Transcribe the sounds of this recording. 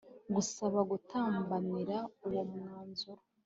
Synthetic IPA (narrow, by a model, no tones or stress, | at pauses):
ɡusaβaɡutʰaːmbaniɾauwomŋaːnzuɾo